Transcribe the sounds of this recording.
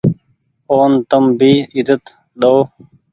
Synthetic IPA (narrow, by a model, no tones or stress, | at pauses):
oːnt̪əmbiːɪzət̪ | ɗ̪oː